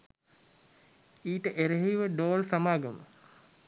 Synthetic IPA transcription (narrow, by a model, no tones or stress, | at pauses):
iːʈəʔeɾeɦiʋəɖoːlsamaːɡəmə